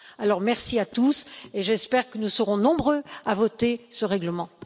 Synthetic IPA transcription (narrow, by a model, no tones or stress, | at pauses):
alɔʁmɛʁsiat̪useʒɛspɛʁkənusəʁɔ̃nɔ̃bʁøavɔt̪esəʁɛɡləmɑ̃